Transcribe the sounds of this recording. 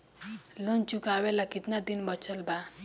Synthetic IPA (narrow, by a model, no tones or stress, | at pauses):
lont͡ʃukawelakit̪nad̪inbʌt͡ʃʰʌlba